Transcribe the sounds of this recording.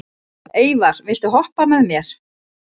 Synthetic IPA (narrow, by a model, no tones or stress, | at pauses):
eːjvaɾ̥vɪlt̪ʏɦɔhpamɛðmjɛɾ̥